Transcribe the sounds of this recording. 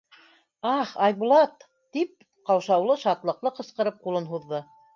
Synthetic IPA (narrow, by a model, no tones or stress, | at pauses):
ɑχɑjβulˠɑt̪ː | ip̚ | qɑwʃɑwlˠɤʃɑt̪lˠɤ̆qlˠɤqɤ̆sqɤ̆ɾɤp̚qulˠɤnɦuðːɤ